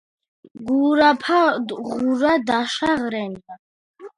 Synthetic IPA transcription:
ɡuɾapʰad̪ʁuɾad̪aʃaʁɾɛna

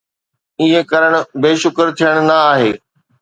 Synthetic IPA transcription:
ɪ̃ɦẽkɐɾəɽ̃ʊ̆beːʃʊkɾt̪ʰijəɽ̃̆nɐaːɦeː

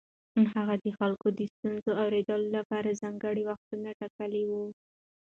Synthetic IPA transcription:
ɦaɣad̪əxalkod̪əst̪unzoawɾed̪əlolapɑɾazaŋɡəɽiwaxt̪unaʈakəlewu

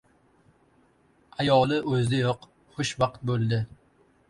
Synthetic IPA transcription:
ajɒlˠɪʔɵzd̪ɪjɒq | χʊʃbɑqt̪̚bolˠd̪ɪ

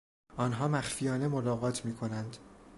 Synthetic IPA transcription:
ʔɒːnɦɒːmæxfijɒːne̞molɒːɣɒːt̪ʰmiːkʰo̞nænd̪

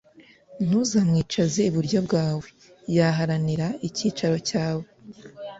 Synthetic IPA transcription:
n̥huzamŋiːt͡ʃaze̞iβuɾɟo̞bɡaːwe̞ | jaɦaɾaniɾaiciːt͡ʃaɾo̞caːwe

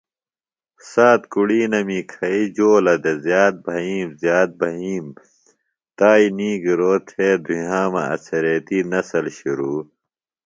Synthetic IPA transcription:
saːt̪kuɽiːnɐmikʰɐid͡ʑoːlɐd̪ezjaːt̪̚bʱɐɦiːmzjaːt̪̚bʱɐɦiːm | t̪aːiniːɡiɾoːt̪ʰeːd̪ʱuɦãːmɐ̰ɐ̰t͡sʰɐɾet̪iːnɐsɐlɕiɾuː

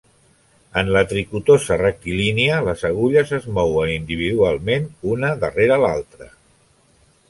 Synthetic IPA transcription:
ənlət̪ɾikut̪ozərəkiliniələzəɣuʎəzəzmɔwənind̪iβ̞iðualˠmenunəðəreɾəːlalˠt̪ɾə

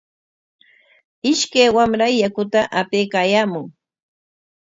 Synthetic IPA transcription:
ɪʃkajwamɾajːakʊt̪aʔapeːkaːjaːmʊŋ

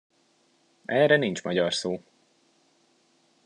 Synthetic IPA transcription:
ɛːrɛnint͡ʃmɒɟɒrsoː

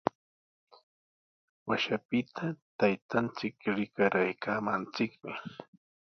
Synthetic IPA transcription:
waʃapɪt̪ʰat̪ajt̪ant͡sɪkɾɪkaɾajkaːmant͡sɪkmɪ

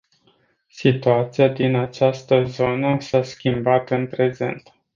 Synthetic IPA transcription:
sit̪uat̪sijad̪inat͡ʃast̪əzo̞nəsaskʲimbat̪ɨnpɾe̞ze̞̰nt̪

